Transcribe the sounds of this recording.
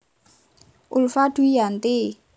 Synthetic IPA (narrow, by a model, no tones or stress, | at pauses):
ulfaɖ̥uijant̪e